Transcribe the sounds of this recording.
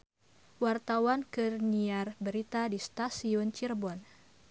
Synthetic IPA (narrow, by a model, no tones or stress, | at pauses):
wart̪awankərniarbəɾit̪adist̪asiɔnt͡ʃirbɔn